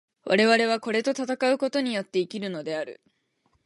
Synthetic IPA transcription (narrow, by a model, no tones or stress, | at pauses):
βa̰ɾe̞βaɾe̞β̞ako̞ɾe̞t̪o̞t̪at̪akaɯ̟ko̞t̪o̞ɲ̟ijo̞t̪ːe̞ikʲiɾɯ̟no̞d̪e̞aɾɯ̟̰